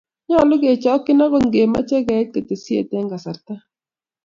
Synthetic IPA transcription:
ɲɔ˦˨lʊ˦ɡe˨t͡ʃɔ˨˦kːɪ˦na˦ko˦nɡe˨ma̰˦t͡ʃɛ˦ɡa˨˦t̚ka˨te˨sjḛ˨tɛ˦ŋɡa˨sa˨ɾt̪a˦

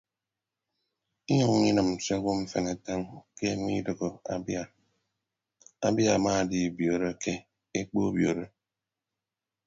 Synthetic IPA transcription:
i˦ɲu˦˨ŋ˦i˦nɨ˨m̩˨se˦ɡo˦m̩˦fe˨ne˨ta˦ŋke˦ŋʷ˦i˦dɨ˨ɣo˨a̰˨ba˨ | a˦bja˨maː˦˨di˨bjo˨ɾe˦ke˦ | e˦k͡po˦bjo˨ɾe˦

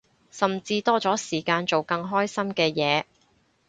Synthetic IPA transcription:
sɐ˨˩mt͡siː˧t̪ɔː˥t͡sɔː˨˥siː˨˩kaː˧nt͡so˨wkɐ˧ŋɦɔː˥jsɐ˥mkɛː˧jɛː˨˧

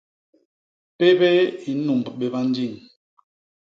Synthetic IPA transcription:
pe˦bɛ˦i˨˦nu˨m˨bɓe˨ba˦n˦d͡ʒi˦˨ŋ

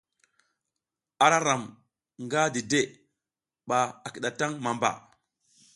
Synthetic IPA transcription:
a˨ɾa˦ɾa˨m | ŋɡa˦di˨de˦ | ɓa˨a˨ki˨ɗa˨ta˦ŋma˨mba̰˨

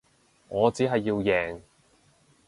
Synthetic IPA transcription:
ŋɔː˨˧t͡siː˨˥ɦɐ˨jːiː˧wjɛː˨ŋ

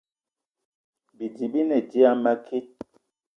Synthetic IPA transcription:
bi˨di˨bi˦nɛ˨di˦a˦ma˦kʰi˦

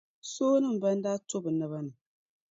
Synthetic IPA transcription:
soː˦nɨ˦m̩˨bɐ˦n˦da˦to˦bɨ˨na˦βa˦nɨ˨

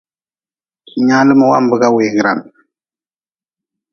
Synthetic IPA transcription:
kʰi˨ɲa˦lə˦mə˨wa̰˦mbə˨ɡa˦we˨ɡɾa̰˨n

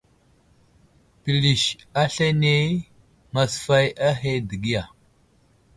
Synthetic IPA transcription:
pi˨li˨ʃa˦ɬa˦ne˦ | ŋa˨sfa˦ja˦ɦe˦di˨ɡi˦ja˨

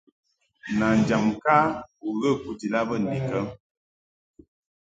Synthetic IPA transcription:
na˨n˨d͡ʒa˨mka˦u˨ɣə˦˨ku˦ti˨la˦bə˦˨n̩˨di˨kə˦

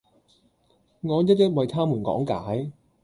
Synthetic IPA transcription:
ŋɔː˨˧jɐ˥t̚jɐ˥t̚wɐ˨jt̪ʰaː˥muː˨˩nkɔ̰ː˨˥ŋkaː˨˥j

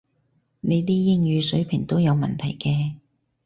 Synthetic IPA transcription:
ne˨˧jliː˥jɪ˥ŋjyː˨˧sɵ˨˥pʰɪ˨˩ŋt̪o˥wjɐ˨˧wmɐ˨nt̪ʰɐ˨˩jkɛː˧

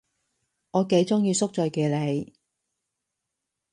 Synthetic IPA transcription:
ŋɔː˨˧ke˨˧˥jt͡sʊ˥ŋjiː˧sʊ˥k̚t͡ʃɔː˨˧jkeː˨˧le˨˧j

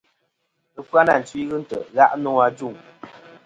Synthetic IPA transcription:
ɨ˦pwa˦na˦˨n̩˨t͡ʃwi˦ɣɨ˦n̩˦tə̰˨ɣa˦ʔnɔ˦a˦d͡ʒu˦˨ŋ

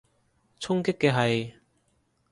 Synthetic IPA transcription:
t͡sʰʊ˥ŋke˥kːe˧ɦa˧j

